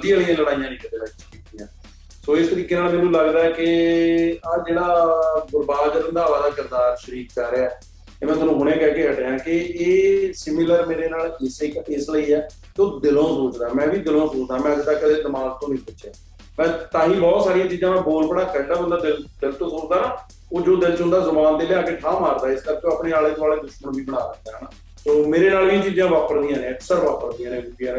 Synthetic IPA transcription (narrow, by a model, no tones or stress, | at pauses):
əd̪ialijãːləɽaːijãːnĩːkəd̪eːəʃɾiːkd̪ijãː | soːɪst̪əɾiːkeːnaːlmeːnũːləɡd̪aːɛkɪ | ad͡ʒeːɽaːɡʊɾbaːɡəɾə̃nd̪aːʋaːd̪aːkɪɾd̪aːɾʃəɾiːkd͡ʒaːɾeaɛː | t̪eːmɛ̃ːt̪ʊnũːɦʊɽẽːkɛːkeːəʈeãːkɪeːsɪmɪləɾmeːɾeːnaːlɪskɪsləiːɛː | keoːd̪ɪlõːsoːt͡ʃd̪aːmɛ̃ːʋiːd̪ɪlõːsoːt͡ʃd̪aːmɛ̃ːəd͡ʒd̪aːkːəd̪eːd̪əmaːl̚t̪õːnĩːpʊt͡ʃeː | mɛ̃ːt̪ãːɦĩːbɔːt̪saːɾijãːt͡ʃiːd͡ʒãːm̃ːboːlpəɽaːkəɖaːə̃nd̪aːd̪ɪld̪ɪlt̪õːsoːt͡ʃd̪aːnãː | oːd͡ʒoːd̪ɪlt͡ʃɦʊ̃nd̪aːzəmaːnd̪eːlɪaːkeːʈʰaːmaːɾd̪aːɪskəɾkeoəpneːaːleːt̪ʊaːleːd̪ʊʃmənʋiːbəɽaːdək̚d̪aːɦɛnaː | soːmeːɾeːnaːlʋiːt͡ʃiːd͡ʒãːʋaːpəɾd̪iːãːnẽːksəɾʋaːpəɾd̪ijãːnẽːɾukjãː